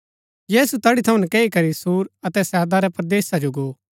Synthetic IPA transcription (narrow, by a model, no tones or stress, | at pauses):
jiːsut̪ɐɽit̪ʰɐũnɛkɛːikɐɾisuːɾɐt̪ɛsɛːd̪aɾɛpɾɐd̪eːsad͡ʒoɡoː